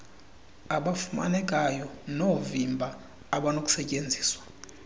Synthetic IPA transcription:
aɓafuma̰nɛkʼajɔnovimbʱaː | ɓanokʼu̥sɛcʼend͡zʱi̥ːswḁ

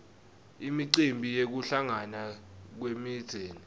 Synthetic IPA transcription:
imiǀimbʱijek̬uɬaŋanak̬wemiːd̥z̥ʱeːni

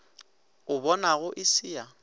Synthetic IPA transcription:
ʊbɔnaɣʊʔɪsiːa

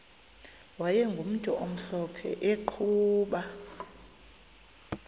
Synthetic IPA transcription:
wajɛŋɡʱum̩tʼɔʔom̩ɬɔpʰɛ̰ʔeǃʰuːɓa

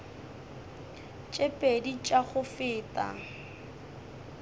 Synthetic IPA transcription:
t͡ʃʼepʼedit͡ʃʼaχʊfɪːtʼa̰

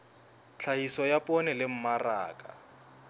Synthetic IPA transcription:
t͡ɬʰaisɔjapʼɔnɛlɪm̩mara̰ːkʼa̰

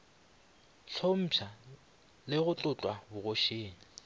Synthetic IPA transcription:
t͡ɬʰom̩ːpʰa | lɪɣʊt͡ɬʼʊt͡ɬʼwabʊɣoʃeːŋ̩

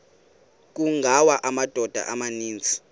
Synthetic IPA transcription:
k̬uŋʱawaʔamad̥ʱɔd̥ʱa̰ʔamaniːnd͡zʱi̥

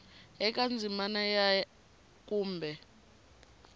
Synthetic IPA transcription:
ɛk̬ʼand͡zʱimanaja | k̬ʼuːmbʱɛ

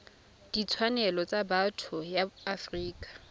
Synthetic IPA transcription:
d̥it͡sʰwanɛlɔt͡sʼabatʰʊjaafriːkʼḁ

